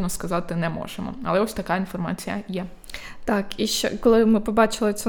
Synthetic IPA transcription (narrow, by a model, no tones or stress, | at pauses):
nɔskɐzɑt̪ɪnɛmɔ̰ʒ̥emɔ̰ɐ̰lˠɛɔsʲt̪ɐkainfɔrma̰t͡sʲijɐ̰jɛ | t̪ɑkiʃt͡ʃɛ̰kɔlˠɪmɪpɔbɑt͡ʃɪlˠɪt͡s̪ʲɛ